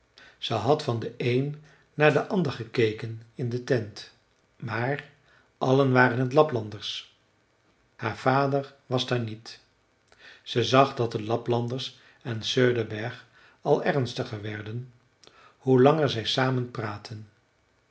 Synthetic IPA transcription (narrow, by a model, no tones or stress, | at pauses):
z̥əjɦɑtfɑndəʔejnː | aːɹdəʔɑndəɹχəkejkənɪndətɛnt | maːɹ | ʔɑlənʋaːɾənɦətlɑplɑndəɹs | haːɹv̥aːdəɹʋɑzdaːɹnit | z̥əzɑχdɑt̚dəlɑplɑndəɹs | ɛnsøɹdəbɛɹχ | ɑlˠɛʁnstəχəɹʋɛɹdən | hulɑŋəɹzɛjsaːmənpraːtʰən